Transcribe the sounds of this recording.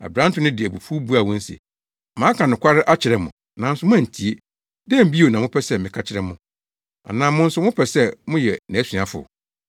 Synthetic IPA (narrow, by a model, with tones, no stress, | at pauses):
a̰˨bɾã˦n˦tʰʊ̃˦nɪ̃˦dɪ˨æ˨bu˨fu˦bu˦a˨wɔ̃˦n̩˦sḭ˨ | mãː˨˦kʰã˨nʊ̃˨kʷa˦ɾɪ˦ʔa˦t͡ɕʰɪ˨ɾɛ˨mʊ̃˨nã˨n̩˦sʊ˦m̃˦ã˦˨n̩˨tʰi˨˦e˦ | dɛ̃˦m̩˦bi˦o˨nã˨mʊ̃˦pʰɛ˦sɛ˦˨mɪ̃˨kʰa˦t͡ɕʰɪ˦ɾɛ˨mʊ̃˨ | a̰˨nã˨mʊ̃˦n̩˦sʊ˦mʊ̃˦pʰɛ˨sɛ˦mʊ̃˦jɛ˨næ̃˨˦sɥa˨fʊ̰˨